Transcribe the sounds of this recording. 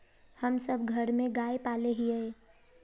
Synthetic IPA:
həmsəbɡʱəɾmẽɡaːepaːleɦiɛ

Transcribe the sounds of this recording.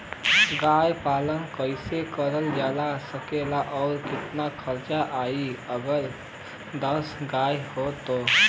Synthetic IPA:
ɡajpalənkəɪsekəɾəld͡ʒalasəkelaʔɔʊɾkɪt̪nakʰəɾt͡ʃaʔaiəɡəɾ | d̪əsɡajhot̪o

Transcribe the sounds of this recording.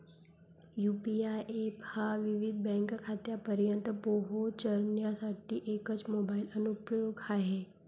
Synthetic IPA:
juːpiaʔephaʋɪʋɪd̪̚bɛ̃ːŋkkʰaːt̪japəɾjə̃nt̪poɦot͡ʃəɾnjasaːʈːiʔeːkət͡ʃmoːbaːɪlənupɾjoːɡhaɦeː

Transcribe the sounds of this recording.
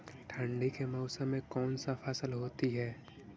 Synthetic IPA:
ʈʰə̃ɳɖikemaʊsə̃mːẽkɔːnsafʰaːsəlɦoːt̪iɦɛː

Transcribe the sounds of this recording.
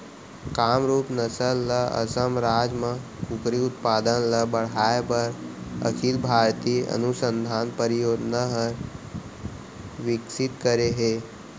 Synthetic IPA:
kaːmɾuːpnəsəlːɐə̰səmɾaːd͡ʒmə̃ | kʊkɾiʊt̪̚paːd̪ənlɐbəɽ̤aːepəɾə̰kʰilbʱaːɾt̪iɐə̰nusə̃nd̪ʱaːnpəɾɪjoːd̪naɦɐɾ | ʋɪksɪt̪kəɾeɦeː

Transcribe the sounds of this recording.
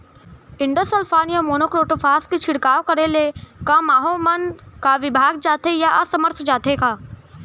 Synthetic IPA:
ɪ̃ɳɖəsəlfʰaːnijəmoːnoːkɾoːʈofʰaːsket͡ʃʰɪɽkaːʋkɐɾelekamaːɦomənkaʋɪbʱaːɡ̚d͡ʒaːt̪ejaɐsəməɾt̪ʰd͡ʒaːt̪ekaː

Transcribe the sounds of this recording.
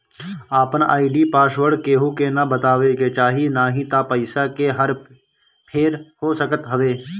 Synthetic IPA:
aːpənaːɪɖipaːsʋəɾɖkeːɦukenɐbɐt̪aːʋeket͡ʃaːɦinaːɦĩt̪apəɪsakeɦɐɾ | pʰeːɾɦoːsəkət̪ɦɐʋeː

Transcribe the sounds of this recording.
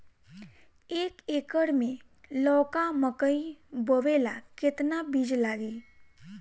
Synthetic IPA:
eːkeːkəɽmẽ | lɔːkaməkəibəʋeːlakɪt̪nabid͡ʒlaːɡiː

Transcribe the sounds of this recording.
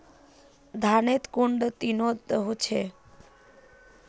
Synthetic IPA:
d̪ʱanet̪kuɳɖt̪inot̪əɦũt͡ʃʰe

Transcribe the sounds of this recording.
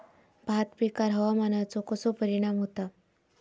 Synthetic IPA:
bʱat̪pikaɾɦəʋamanat͡sokəsopəɾiɽ̃amɦot̪a

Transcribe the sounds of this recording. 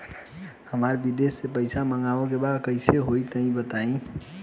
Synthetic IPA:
həmaɾbid̪esːepəɪsaməŋɡaʋõk̬ebad̪kəɪseɦoit̪əɦĩbət̪aĩ

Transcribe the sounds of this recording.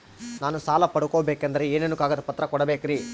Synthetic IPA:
naːnusaːlɐpɐɽukoːbeːkɐnd̪ɐɾeeːnenːukaːɡɐd̪ɐpɐt̪ːɾɐkɔɽɐbeːkiɾiː

